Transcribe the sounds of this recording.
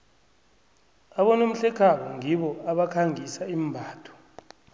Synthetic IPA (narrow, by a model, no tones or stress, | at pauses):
aɓɔnom̩ɬɛkʰaɓɔŋʱiɓɔaɓakʰaŋisaim̩bʱaːtʰɔ̥